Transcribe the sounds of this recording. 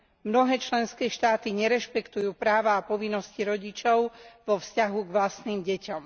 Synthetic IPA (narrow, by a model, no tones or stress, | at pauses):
mnɔɦɛːt͡ʃlɛnskɛːʃt̪aːt̪iɲɛɾɛʃpɛkt̪ujuːpɾaːʋaːpɔʋinːɔsciɾɔɟit͡ʃɔʊʋɔfscaɦuɡʋlast̪niːmɟɛcɔm